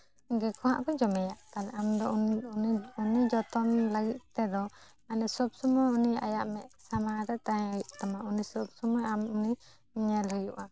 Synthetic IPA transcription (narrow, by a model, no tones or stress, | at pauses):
ɡɛkʰɔɦa̰ʔbɛd͡ʒɔmɛjaʔt̪alɛʔamd̪ɔ | unid͡ʒɔt̪ɔmləɡit̪̚ˀt̪ɛd̪ɔ | anɛsɔb̚sɔmɔjunia̰jaʔmɛʔsamaɾɛt̪ajjʔt̪amaunisɔbsɔmɔjamuni | ɲɛlɦɔjuʔa